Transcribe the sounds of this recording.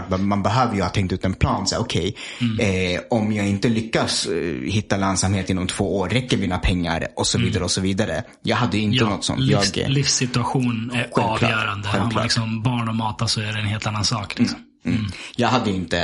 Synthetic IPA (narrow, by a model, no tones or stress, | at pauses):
ʈbmanbɛɦøːvəɾjɵhaːt̪ʰɛŋkt̪ʉ̟ːt̪ɛnpʰlɑːnsɛjaɔkʰɛj | ɔmjɑːɡɪnt̪əlʏkːashɪt̪ːalansamheːt̪ɪnːɔmt̪ʰv̥oːoːɾːɛkːəɾmiːnapʰɛŋːa̰ɾʔɔsɔviːd̪aɾəɔsɔviːd̪aɾə̰ | jɑːɡɦad̪ːəjɪnənɔt̪ːsɔ̰njɑːɡlɪfsɪt̪ɵaɧuːnæɧɛvɑːklv̰œːɾand̪əɧɛlvk̪ːlɪksɔmbɑːɳɔmɑːt̪asɔæɖɛnheːlt̪anːansɑːklsm̩ː | jɑːɡɦad̪ːəjɵɪnt̪ə